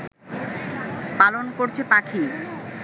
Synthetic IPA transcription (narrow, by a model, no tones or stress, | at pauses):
palonkoɾt͡ɕʰepakʰi